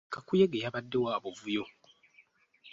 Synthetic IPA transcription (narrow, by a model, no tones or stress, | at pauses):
kakujeɡejaβadːe̞waːβovujo